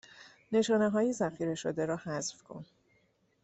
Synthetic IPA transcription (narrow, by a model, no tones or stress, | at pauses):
ne̞ʃɒːne̞ɦɒːjezæxiːɾe̞ʃod̪eɾɒːhæzfkʰo̞̰n